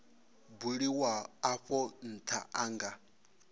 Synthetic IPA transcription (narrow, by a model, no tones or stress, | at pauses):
buɺiwaːɸɔn̩tʰa̰ʔaŋɡa